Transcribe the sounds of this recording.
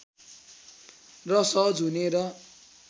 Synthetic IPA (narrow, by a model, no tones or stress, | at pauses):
rʌsʌd͡zʱuneɾʌ